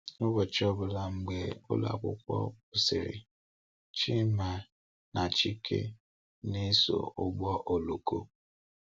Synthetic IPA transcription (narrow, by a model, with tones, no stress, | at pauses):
nʊ˦bɔ˨t͡ʃɔ˦bʊ˨la˨ŋ͡m̩˦ɡ͡be˦ʊ̰˦la̰˨kʷʊ̰˦kʷɔ̰˦ʊ˨sɪ˨ɾɪ̰˨ | t͡ʃi˦ma˨ | na˨t͡ʃi˦kʰḛ˦ | ne˦so̰˨ʊ˦ɡ͡bɔ˦ʔo˨lo˨ko˦